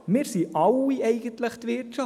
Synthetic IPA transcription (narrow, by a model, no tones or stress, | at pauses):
mɪːɾsiʔɑwiɛɪɡ̥ənt̪ləχt̪ʋɪt͡ʃɑ